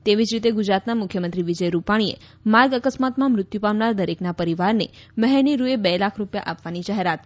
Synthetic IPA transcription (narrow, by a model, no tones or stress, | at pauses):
t̪eʋid͡ʒɾit̪eɡud͡ʒɾat̪namʊkʰjəmənt̪ɾiʋid͡ʒəjɾupaɽ̃iḛ | maɾɡəkəsmat̪mãmɾʊt̪jupaʋnaɾd̪əɾeknapəɾiʋaɾne | məɦɛñiɾuebɛlakʰɾupja̰ʔapʋanid͡ʒaɦeɾat̪̚